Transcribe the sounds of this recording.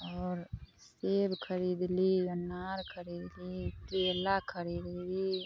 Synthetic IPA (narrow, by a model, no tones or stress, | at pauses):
ɔːɾseːbkʰəɾiːd̪linaːɾkʰəɾiːd̪lit̪eːlakʰəɾiːd̪li